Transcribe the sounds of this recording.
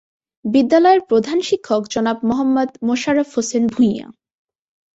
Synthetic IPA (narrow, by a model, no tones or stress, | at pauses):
bid̪ːalɔeɾpɾod̪ʱanʃikʰːokd͡ʑɔnapmoɦamːɔd̪moʃaɾofhosenbʱuja̰